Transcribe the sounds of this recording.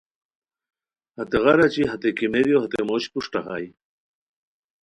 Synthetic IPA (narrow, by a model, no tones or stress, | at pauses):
hɐt̪eʁɐɾat͡ɕiɦat̪ekimeɾjohat̪emoːɕpuʂʈɐxa̰j